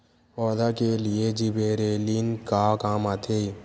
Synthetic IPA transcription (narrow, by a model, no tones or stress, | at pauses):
ɔːd̪akelɪed͡ʒibeːɾeːlinkakaːmat̪ʰe